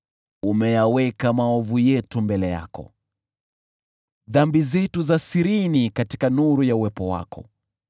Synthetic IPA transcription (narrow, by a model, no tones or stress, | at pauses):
umɛjawɛkamaɔvujɛtumbɛlɛja̰kɔ̰ | ðambizɛtuzasiɾinikati̥kanuɾujauwɛpɔwa̰kʰɔ̰